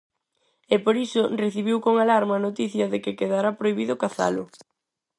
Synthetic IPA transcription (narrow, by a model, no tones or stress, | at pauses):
epoɾisʊreθiβ̞iwkoŋalaɾmɐːnot̪iθjɐðekɪkeðaɾapɾojβiðʊkaθa̰lʊ̰